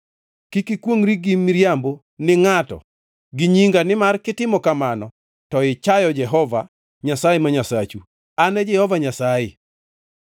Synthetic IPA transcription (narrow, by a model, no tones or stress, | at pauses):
kikikwoŋɾiɡɪmiɾjambo | nɪŋatɔ̰ | ɡɪɲiŋɡanɪmarkɪtɪmɔkamanɔ | tɔɪt͡ʃajɔd͡ʒɛɦɔva̰ | ɲasajemaɲasat͡ʃu | anɛd͡ʒɛhɔvaɲasajɪ